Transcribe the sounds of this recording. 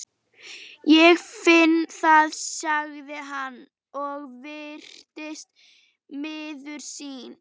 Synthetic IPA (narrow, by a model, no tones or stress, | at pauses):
jɛɣfɪnːθaðsaɣðɪɦanː | ɔɣvɪr̥t̪ɪst̪ | mɪːðʏɾ̥siːn